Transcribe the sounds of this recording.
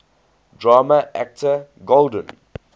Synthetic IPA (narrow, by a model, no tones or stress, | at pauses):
dɹaːməʔæ̰k̚təɡoldə̃n